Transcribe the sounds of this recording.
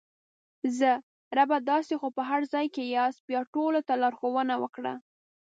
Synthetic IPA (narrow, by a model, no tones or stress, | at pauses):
zə | ɾabad̪ɑsexopəɦaɾzɑjkejɑsbjɑʈolot̪alɑɾxowənawəkɽə̰